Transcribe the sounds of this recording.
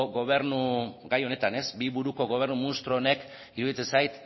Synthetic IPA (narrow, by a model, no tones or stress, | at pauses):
ɡo̞β̞e̞ɾnuɡajo̞ne̞t̪ane̞zbiβuɾuko̞ɣo̞β̞e̞ɾnumunist̪ɾoːne̞k | iɾuðit͡s̪e̞sajt̪